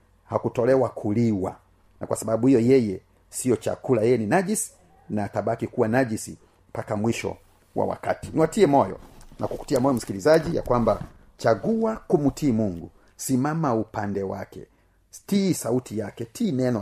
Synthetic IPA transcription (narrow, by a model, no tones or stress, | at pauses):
hakutɔlɛwakʰuliwa̰ | na̰kwasaɓaɓuhijɔjɛjɛ | sijɔt͡ʃa̰kulajɛninaʄisi̥ | naːtaɓakikuwanaʄisḭ | pakamwiʃɔ̰ | wa̰wa̰kati̥niwatiɛmɔjɔ̰nʔakuku̥tiamɔjɔm̩si̥kilizaʄija̰kwamba | t͡ʃaɡuwakumutʰiːmuŋɡu | simamaupandɛwa̰kɛ̰ | stisautʰijakɛtʰiːnɛnɔ